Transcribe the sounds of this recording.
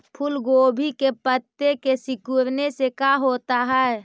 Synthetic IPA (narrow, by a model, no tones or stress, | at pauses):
pʰʊlɡoːbʱikepət̪ːekesɪkuɾnesekaɦot̪aɦɛe